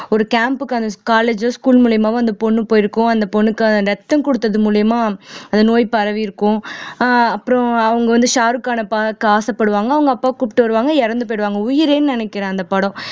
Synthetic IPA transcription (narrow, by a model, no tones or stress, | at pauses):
ɔɾɯkaːmpɯkːɯɐnd̪ɐkaːleːd͡ʒoːskuːlmuːlɐjɐmaːʋɐnd̪ɐpɔɳːɯpoːjɪɾɯkːʊ̃ɐnd̪ɐpɔɳːɯkːɯɐɾɛt̪ːɐmkɔɽɯt̪ːɐðɯmuːlɐjɐmaːɐnd̪ɐnoːjpɐɾɐʋiɪɾɯkːʊ̃ | ɐpːɯɾɔ̃ɐʋɐŋɡɐʋɐnd̪ɯʃaːɾɯkaːnɐpaːkːɯaːsɐpːɐɽɯʋaːŋɡɐːʋɐŋɡɐpːaːkuːpɪ̥ʈːɯʋɐɾɯʋaːŋɡɐɛɾɐnd̪ɯpoːɪɽɯʋaːŋɡɐʊjɪɾeːnɯnɪnɛkːɪɾãːɐnd̪ɐpɐɽɔ̃